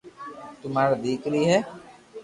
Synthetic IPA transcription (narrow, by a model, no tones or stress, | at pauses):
t̪ʊmaːɾad̪iːkɾiːɦɛː